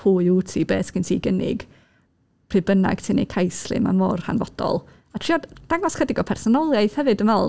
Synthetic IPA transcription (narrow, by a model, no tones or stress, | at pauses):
pʰuːɨutʰibeːθkʰɪntʰiːɡənɪ̰ɡ | pʰribəna̰ɡ̥tʰinḛjkʰajslˠɨ̰ma̰nmɔrha̰nvɔd̥ɔ̰lˠ | atʰriːɔdd̥aŋɔskədɪɡɔpʰɛrsɔnɔlˠjajθhɛvɨdəmɛlˠ